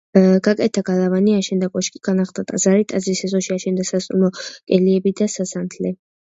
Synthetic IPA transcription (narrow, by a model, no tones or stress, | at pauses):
ɡ̥akʼɛt̪ʰaɡ̥alavaniaʃɛnd̪akʼɔʃkʼiɡ̥anaχd̪at̪ʼaz̥aɾit̪ʼazɾisɛzɔʃiaʃɛnd̪asast̪ʼumɔkʼɛliɛbid̪asasant̪ʰlɛ